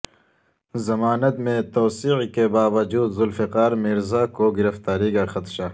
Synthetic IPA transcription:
zɐmaːnɐt̪mẽt̪oːsiːqkebaːʋɐd͡ʒuːd̪zʊlfɪqaːɾmiɾzaːkoɡɪɾɐft̪aːɾiɡaxɐt̪ʃaː

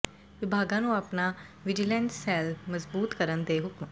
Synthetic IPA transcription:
ʋibʱaɡãnũːapnaʋid͡ʑilɛnssɛlməd͡zbuːt̪kəɾənd̪eɦukmə

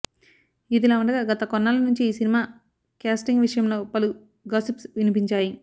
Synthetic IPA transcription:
id̪ilaːuɳɖɐɡaːɡɐt̪ɐkɔnːaːlɐnuɲt͡ʃiːsinimaː | kaːsʈiŋɡʋiʂɐjɐmlo̞ːpɐlu | ɡaːsipsʋinipiɲt͡ʃaːji

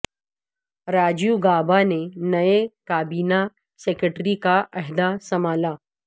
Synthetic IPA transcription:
ɾaːd͡ʒjuɡaːbanenɐekaːbiːna | seːkəʈɾikaʔɐɦd̪asɐmaːlaː

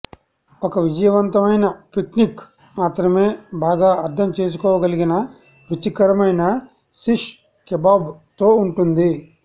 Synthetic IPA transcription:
ɔkɐʋid͡ʒɐjɐʋɐnt̪ɐmɐjnɐpiknik | maːt̪ɾɐme̞ːbaːɡaːɐɾt̪ʰɐmt͡ʃe̞ːs̬u̥kɔːʋɐɡɐliɡinɐ | ʋit͡ʃikɐɾɐmɐjnɐ | siʂ | kɛbaːbt̪o̞ːuɳʈund̪i

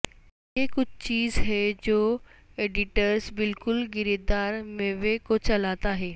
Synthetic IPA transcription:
jeːkʊd͡ʑʱt͡ɕiːzɦeːd͡ʑoːeːɖɪʈəɾsbɪlkʊlɡɪɾed̪aːɾmẽʋekot͡ɕɐlaːt̪aːɦeː

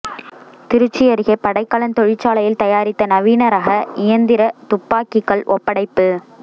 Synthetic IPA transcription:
t̪ɪɾɯt͡ʃːɪjɐɾɪɣɐpːɐɽɐɪkːɐɭɐnt̪ɔɻɪt͡ʃːaːlɐjɪlt̪ɐjaːɾɪt̪ːɐnɐʋiːnɐɾaːɣɐʔɪjɐnd̪ɪɾɐt̪ʊpːaːkɪkːɐɭʔɔpːɐɽɐɪpːɯ

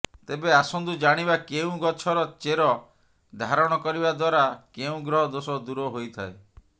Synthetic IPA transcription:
t̪ebeasɔnd̪ud͡ʒaɽ̃ibakeũɡɔt͡ʃʰɔɾɔt͡ʃeɾɔ | d̪ʱaɾɔɽ̃ɔkɔɾiβad̪waɾakeũɡɾɔɦɔd̪osɔd̪uɾɔɦojt̪ʰae

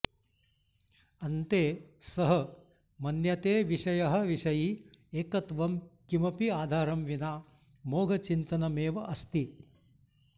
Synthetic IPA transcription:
ɐnt̪eːsɐɦɐ | mɐnjɐt̪eːʋiʃɐjɐɦɐ̆ʋiʂɐjieːkɐt̪ʋɐmkimɐpiaːd̪ʱaːɾɐmʋinaː | moːɡʱɐt͡ʃint̪ɐnɐmeːʋɐʔɐst̪i

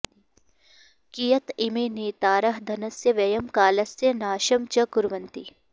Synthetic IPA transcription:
kijɐt̪ɪmeneːt̪aːɾɐɦd̪ʱɐnɐsjɐʋɐjɐmkaːlɐsjɐnaːʃɐmt͡ʃɐkʊɾʋɐnt̪ḭ

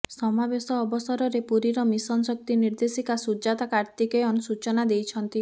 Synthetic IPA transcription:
sɔmabesɔːbɔsɔɾɔɾepuɾiɾɔmisɔnsɔk̚t̪iniɾd̪esikasud͡ʒat̪akaɾt̪ikeɔnsut͡ʃɔnad̪ejt͡ʃʰɔnt̪i

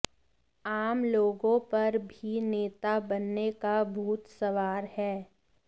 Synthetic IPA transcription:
aːmloːɡõpɐɾbʱineːt̪abɐnːekabʱuːt̪sɐʋaːɾhɛː

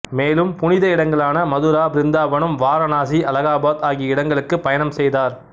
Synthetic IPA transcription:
meːlɯmpʊnɪðɐɪɽɐŋɡɐɭaːnɐmɐðuɾaːbɪɾɪnd̪aːbɐɳɯmʋaːɾɐnaːsiʔɐlɐɣaːbaːt̪aːɣiɪɽɐŋɡɐɭɯkːɯpːɐjɐnɐmsɛjðaːɾ

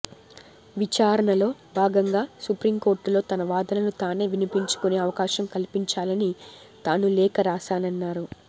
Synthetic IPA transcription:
ʋit͡ʃaːɾɐɳɐlo̞ːbʱaːɡɐŋɡaːsupɾimko̞ːɾʈlo̞ːt̪ɐnɐʋaːd̪ɐnɐnut̪aːne̞ːʋinipiɲt͡ʃu̥kune̞ːɐʋɐkaːʃɐmkɐlipiɲt͡ʃaːlɐni | t̪aːnulɛːkɐɾaːʃaːnɐnːaːɾu

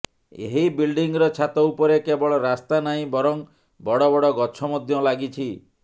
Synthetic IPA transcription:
ḛɦibilɖiŋɾɔt͡ʃʰat̪ɔupɔɾekebɔɭɔɾast̪anaɦĩbɔɾɔŋ | bɔɽɔbɔɽɔɡɔt͡ʃʰɔmɔd̪ʱjɔlaɡit͡ʃʰi

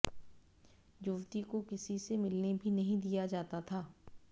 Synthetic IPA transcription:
jʊʋt̪ikokɪsisemɪlnebʱinɐɦĩd̪ijad͡ʒaːt̪at̪ʰaː

